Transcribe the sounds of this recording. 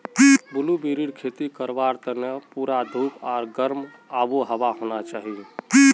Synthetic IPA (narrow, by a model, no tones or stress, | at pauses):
pibulubiɾiɽkʰet̪ikəɾbaɾt̪ənepuɾad̪ʱukaːɾɡəɾm | abuɦəʋaɦonat͡ʃaːɦie